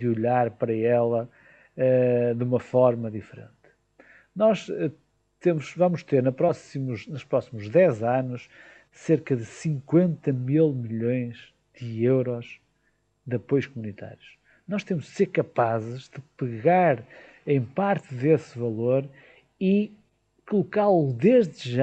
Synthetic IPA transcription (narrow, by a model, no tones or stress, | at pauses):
d̪ɨuʎaɾpɐɾɐɛlˠɐ | ɛðumɐfɔɾmɐðifɨɾḛ̃nt̪ | nɔʃɛ | t̪emʊʃvɐmʊʃt̪eɾnɐpɾɔsimuʃnuʃpɾɔsimuʒðɛzanuʃ | seɾkɐðɨsĩŋkwẽnt̪ɐmilˠmiʎõj̃ʒ̥ | ðɨewɾɔʒ | ðɐpojuʃkumunit̪a̰ɾjuʃ | nɔʃt̪emʊʒd̪seɾkɐpazɨʒðɨpɨɣaɾ | ẽj̃paɾt̪ɨðesvɐlˠoɾ | i | kulˠukalˠuðeʒðɨʒa